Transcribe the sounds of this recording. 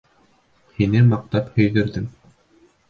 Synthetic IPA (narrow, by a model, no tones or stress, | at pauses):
hinɘmɑq̚t̪ɑphɵ̆jðɵ̆ɾðɘm